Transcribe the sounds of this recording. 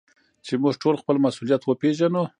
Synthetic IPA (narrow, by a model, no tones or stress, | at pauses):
t͡ʃemuʒʈʰolxpəlmasulijat̪wəpeʒano